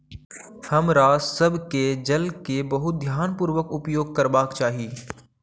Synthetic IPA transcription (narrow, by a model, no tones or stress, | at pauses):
hɐmɾaːsɐbked͡ʒɐlkebɐɦʊt̪̚d̪ʱjaːnpuːɾwəkʊpjoːɡ̚kɐɾbaːkt͡ʃaːɦieː